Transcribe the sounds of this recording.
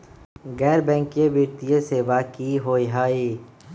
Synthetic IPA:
ɣɛːɾbɛ̃ːŋkijebiːɾt̪ijeseːʋaːkiɦoːjɦaːiː

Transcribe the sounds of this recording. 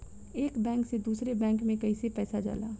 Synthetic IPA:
eːkbɛ̃ːŋksed̪uːsɾebɛ̃ːŋkmẽkɐisepɛːsad͡ʒa̰ːla̰ː

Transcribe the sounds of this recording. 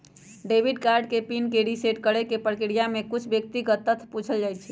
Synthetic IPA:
ɖebʱiɖkaɾɖ̚kepinkeɾiseʈkəɽekepɾkiɽijamekut͡ʃʰbjək̚t̪ikət̪ːət̪ʰput͡ʃʰəld͡ʒaj̪t͡ʃʰɛ

